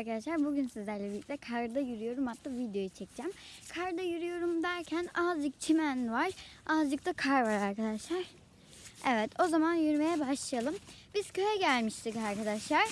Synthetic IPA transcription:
aɾkad̪aʃlˠaɾbuɟynsizlʲæɾlʲɛvisɛkʰaɾd̪ajyɾyjo̞ɾumat̪lːavid̪jo̞jit͡ʃʰɛc̚d͡ʒæmkʰaɾd̪ajyɾyjo̞ɾumd̪æɾcʰænazd͡ʒɯk̚t͡ʃʰimænvaɾ̥azd͡ʒɯk̚t̪ʰakʰaɾvaɾaɾkʰad̪aʃlˠaɾ̥ | ɛvɛt̪ʰo̞zamanjyɾme̞jɛbaʃlˠajalˠɯm | biz̥cʰø̞jɛɟælʲmiʃt̪ʰikaɾkad̪aʃlˠaɾ̥

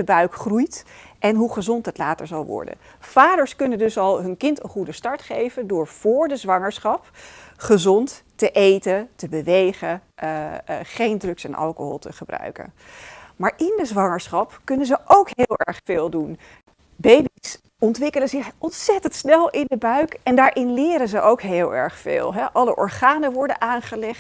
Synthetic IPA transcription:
əbœɥkχrujtʔɛnɦuχəzɔntɦətlaːtə̰ɹzɑlˠʋɔ̰ɹdə̰n | faːdəɹskɵnəndɵsɑlˠɦɵnkɪntə̰nχudəstɑɹtχejvəndʊːɹv̥ʊːɹdəzʋɑŋəɹsχɑpχəzɔnttəʔejtəntəbəʋejχənʔχejndrɵksɛnʔɑ̰lˠkəɦɔ̰lˠtəχəbrœ̰ɥkə̰n | maːɹʔɪndəzʋɑŋəɹsχɑpkɵnənzəʔowkɦɪːlˠɛ̰ɹχfɪːlˠdun | bejbis | ɔntʋɪkələzɪχɔntsɛtəntsnɛlˠɪndəbœɥkɛndaːɹʔɪnlɪːɾənzəʔowkɦɪːlˠɛ̰ɹχfɪ̰ːlˠɦɛʔɑləʔɔ̰ɹχaːnəʋɔɹdənʔaːnχəlɛχt

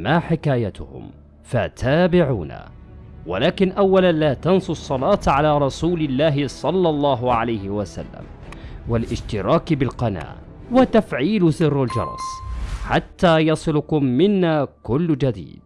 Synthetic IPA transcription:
maːħɪkaːjat̪ʊ̰hʊ̰m | fat̪ʰaːbɪʕṵːna̰ | wa̰laːkɪnʔawːalanlaːt̪ɑnsˤsˤːɑlɑːt̪ʕalaːɾˤɑsuːlɪlːaːɦɪsˤɑlːɑlˤːɑːɦʕalajhɪwasa̰lːa̰m | walʔɪʃt̪ɪɾˤɑːkbɪlqɑna̰ː | wat̪ːafʕiːlsɨrːald͡ʒɑ̰ɾˤɑ̰sħat̪ːaːjɑsˤɨlʊkʊmːɪnːaːkʊlːd͡ʒad̪ḭːd̪̚

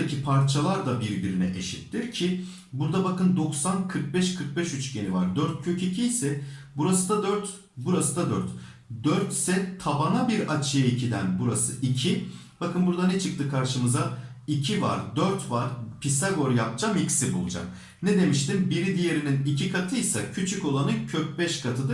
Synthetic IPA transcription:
acʰipʰaɾt͡ʃʰalˠaɾd̪abiɾɟyɾynɛ̰ʔeʃit̪ːiɾcʰi | buɾd̪abakɯnd̪o̞ksankʰɯɾk̚bɛʃkʰɯɾk̚bɛʃyt͡ʃɟenivaɾd̪øɾt̪̚cʰø̞cʰecʰijsɛbuɾasɯd̪ad̪øɾt̪ | buɾasɯd̪ad̪øɾt̪ | d̪øɾt̪sɛt̪ʰabanabiɾat͡ʃʰijacʰid̪ænbuɾasɯ̰ʔicʰi | b̥akʰɯnbuɾd̪anɛt͡ʃʰɯk̚t̪ʰɯkʰaɾʃɯmɯza | icʰiva̰ɾd̪øɾt̪vaɾpʰisaɡo̞ɾjap̚d͡ʒamicsibṵlˠud͡ʒa̰m | ned̪e̞miʃt̪imbiɾid̪ije̞ɾininicʰikʰat̪ʰɯjsacʰyt͡ʃʰyco̞lˠanɯcʰøc̚bɛʃkʰat̪ʰɯd̪ɯ

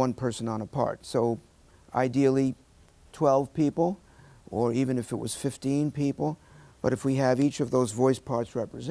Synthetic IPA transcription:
ʌ̃npʰɜ˞sɨ̃nə̃nəpʰɑ̰ɹtsoʊ | a̰ɪdil̩ˠi | tʰw̥ɛlˠv̥pipl̩ˠ | ʔə˞ivɨ̃nɨfɨt̚wʌ̰z̥fɪftĩnpʰipl̩ˠb̥ʌɾɨfwiɨvit͡ʃʌvðoʊzvɔɪspʰɑɹtsɹɛpɹɨz

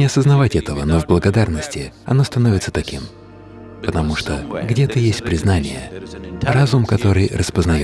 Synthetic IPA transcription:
ɪɐsəznɐvatʲɛt̪əvəno̞vblˠəɡɐd̪arnəsʲtʲɪɐ̰no̞st̪ɐnovʲɪt̪sət̪ɐkʲim | pət̪ɐmuʂt̪oɡdʲet̪ɨjesʲt̚ʲpɾʲɪznanʲɪjə̰razʊmkɐt̪o̞ɾɨjrəspəznɐjo

